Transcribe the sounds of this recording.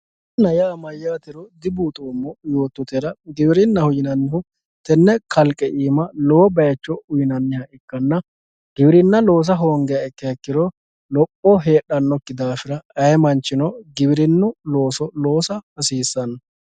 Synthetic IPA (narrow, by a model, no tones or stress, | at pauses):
nɐjaːmɐjːaːt̪ɪɾɔd̪ɪbuːt̪ʼoːmːɔjo̞ːt̪ːʊt̪ɛɾɐɡɪbɪɾɪnːɐhʊjɪnɐnːɪhʊ | t̪ɛnːɛkʰɐlkʼːɛʔiːmɐloːbɐjt͡ʃːɔʊjɪnɐnːɪhɐʔɪkːɐnːɐ | ɡ̥ɪbɪɾɪnːɐlo̞ːs̬ɐɦoːŋɡɛjɐɛkːɛɛkːɪɾɔ | lɔpʼːɔɦe̞ːɗɐnːɔkːɪd̪aːfɪɾɐɐjɛmɐnt͡ʃːɪnɔɡɪbɪɾɪnːʊlo̞ːsɔlo̞ːsɐhɐsiːsːɐnɐ